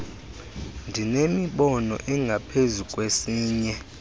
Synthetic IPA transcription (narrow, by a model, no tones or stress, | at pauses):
ndʱinemiɓɔnɔ̰ʔɛŋɡʱapʰezukʼwesiːɲɛ